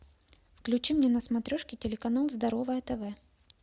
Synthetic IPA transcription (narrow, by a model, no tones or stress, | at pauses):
fklʲʉt͡ɕimnʲenəsmɐt̪ɾʲoʂkʲɪtʲɪlʲɪkɐnalˠzd̪ɐɾo̞vəjət̪ɛvɛ